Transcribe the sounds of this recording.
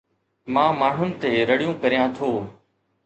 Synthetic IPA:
mãːmaːɳ̤ʊnɪ̆t̪eːɾəɽijõːkəɾijãːt̪ʰoː

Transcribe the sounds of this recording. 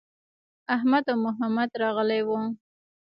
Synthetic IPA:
ahmad̪awmʊɦamad̪ɾɑɣəlewu

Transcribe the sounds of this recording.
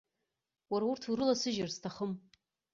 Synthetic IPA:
waɾaurtʰuɾɨlasɨʒarstʰaχəm

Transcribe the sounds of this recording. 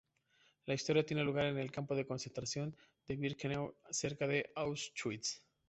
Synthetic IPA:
laist̪o̞ɾjat̪jene̞luɣ̞aɾe̞ne̞lkampo̞ðe̞ko̞nse̞nt̪ɾasjo̞nd̪eβiɾknawse̞ɾkaðe̞ʔawst̪wit̪s

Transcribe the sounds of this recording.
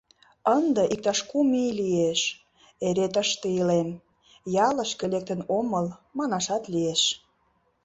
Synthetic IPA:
ənd̪ĕʔik̚t̪ɑʃkumilieʃ | eɾet̪əʃt̪eilem | jɑləʃkelek̚t̪ə̆noməlmɑnɑʃɑt̪lieʃ

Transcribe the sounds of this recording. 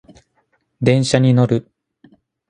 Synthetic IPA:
d̪ẽ̞ɰ̃ɕaɲ̟ino̞ɾɯ̟

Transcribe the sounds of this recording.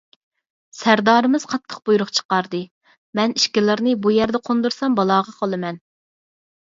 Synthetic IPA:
sæɾd̪ɑːɾɨmɪz̥qʰɑt̪ʰːə̥qbujɾʊχt͡ʃʰə̥qɑɾd̪ɨ | mɛniʃkʲilˠɨɾnɨbujæɾd̪ɛqʰond̪uɾsɑmbɑlˠɑːʁɑqʰɑlˠɨmɛn

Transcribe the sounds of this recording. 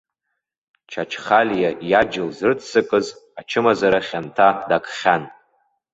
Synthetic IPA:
t͡ʃʰat͡ʃʰχalʲjajad͡ʒɪlzrɨtʰsɨkʼɨzat͡ʃʰɨmazaɾaχʲantʰadakʰʼχʲan

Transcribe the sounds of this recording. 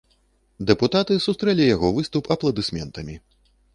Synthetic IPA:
d̪ɛput̪at̪ɨsust̪ɾɛlʲijaɣɔvɨst̪upʰɐplˠɐd̪ɨsʲmʲɛnt̪ɐmʲi

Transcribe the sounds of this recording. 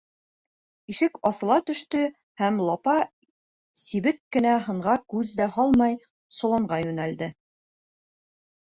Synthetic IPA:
iʃɘkɑθɤ̆lˠɑt̪ɵ̆ʃt̪ɵ | hæmlˠɑpɑ | siβɘkːɘ̆næɦɤ̆ɴʁɑkʉðːæhɑlˠmɑj | sŏlˠɤ̆ɴɢɑjʉnæld̪ɘ

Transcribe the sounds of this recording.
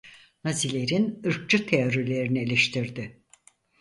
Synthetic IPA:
nazilʲe̞ɾinɯɾk̚t͡ʃut̪ʰeoɾilʲe̞ɾinielʲeʃt̪ʰiɾd̪ɪ

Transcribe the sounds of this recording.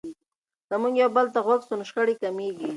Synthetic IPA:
zəmuŋɡjawbəlt̪aɣwaɡsʊnʃχaɽikameɡi

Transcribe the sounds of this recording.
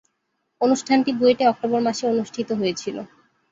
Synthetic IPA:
onuʃʈʰanʈid̪ueʈeɔk̚ʈobɔɾmaʃeonuʃʈʰit̪oɦoet͡ɕʰilo̰

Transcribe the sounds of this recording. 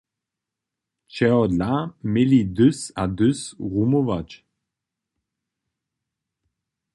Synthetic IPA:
t͡ʃɛd̪lamɪlid̪ʏsad̪øsʁumovat͡ʃ

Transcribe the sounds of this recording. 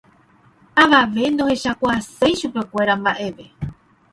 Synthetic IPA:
aʋaʋe̞nd̪o̞he̞ʃakʷaase̞jʃupe̞kʷe̞ɾambaʔe̞ʋe̞

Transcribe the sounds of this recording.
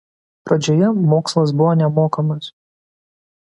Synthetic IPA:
pɾɐd͡ʒʲoːjɛmoːkslˠɐs̬bʊʋoːnʲɛmoːkɐmɐs

